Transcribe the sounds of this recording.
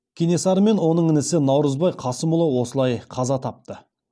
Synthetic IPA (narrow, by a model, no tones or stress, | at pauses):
kʲʰine̞sɑɾəme̞nwo̞nəɴɪnɪsɪnɑwɾəzbɑjqʰɑsəmʊlˠəwo̞səlˠɑjqʰɑzɑt̪ʰɑp̚t̪ə